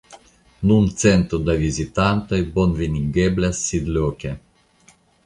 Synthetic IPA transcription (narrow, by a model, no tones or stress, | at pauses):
nunt̪sent̪ɾud̪avizit̪ant̪ajbonviniɡeblʲasːid̪lʲokʲe